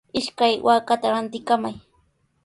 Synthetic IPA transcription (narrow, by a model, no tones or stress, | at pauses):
ɪʃkajwʔaːkat̪aɾant̪ɪkamaj